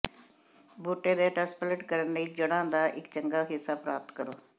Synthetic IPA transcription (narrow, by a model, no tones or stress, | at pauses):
buːʈeːd̪eːʈɛːspləʈkəɾənləiːd͡ʒəɽ̃ãːd̪aːʔɪkt͡ʃəŋɡaːɦɪsːaːpɾaːp̚t̪kəɾoː